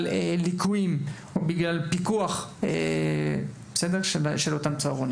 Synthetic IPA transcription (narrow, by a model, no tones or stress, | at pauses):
lelikʰuim | obiɡlalpikuaχe | besed̪eʁʃeʃelo̞t̪amt͡saːʁoni